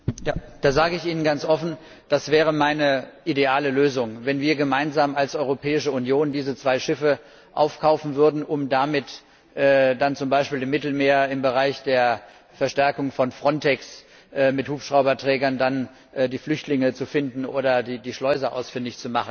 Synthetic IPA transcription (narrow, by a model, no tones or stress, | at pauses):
jaːd̥aːzaːɡəɪçiːnənɡant͡sʔɔfn̩ | d̥asv̥ɛːʁ̞əmaɪnəʔideaːləløːzʊŋvɛnviːɐɡəmaɪnzaːmalsʔɔʏʁopʰɛːɪʃəunjoːndiːzət͡sv̥aɪʃɪfə | ʔa̰ʊfkʰaʊfn̩vʏɐdn̩ʔʊmdamɪt | ʔɛːdant͡sʊmbaɪʃpiːlɪmːɪtl̩meːɐɪmbəʁaɪçd̥eːɐ | fɛɐʃtɛɐkʊŋfɔnfʁ̥ɔntʰɛks | ʔɛːmɪthuːpʃʁ̥aʊbɐtʁ̥ɛːɡɐndan | ʔɛdiːflʏçtlɪŋət͡sufɪndn̩ʔo̰ːɾɐdiːdiːʃlɔʏzɐʔa̰ʊsfɪndɪçt͡sumaχn̩